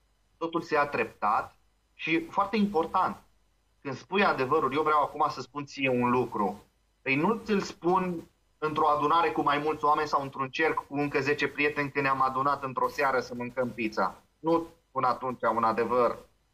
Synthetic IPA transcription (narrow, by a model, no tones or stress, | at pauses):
t̪o̞t̪ulseat̪ɾe̞p̚t̪at̪ | ʃifoart̪e̞impo̞rt̪ant̪̚ | kɨnd̪spujad̪e̞vəɾuljewvɾeawakumasəspunt̪sijeunlukɾu | pəjnut̪ʲɨlspun | ɨnt̪ɾo̞ad̪unaɾe̞kumajmult̪soame̞nʲsawɨnt̪ɾunt͡ʃe̞rkːuɨŋkəze̞t͡ʃe̞pɾije̞t̪e̞nʲkɨnamad̪unat̪ɨnt̪ɾo̞seaɾəsəmɨŋkəmpit̪sa̰ | nuspunat̪unt͡ʃaunad̪e̞vər